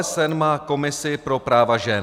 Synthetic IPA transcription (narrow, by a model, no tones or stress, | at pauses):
ɛsɛnmaːko̞mɪsɪpɾo̞pɾaːvaʒɛn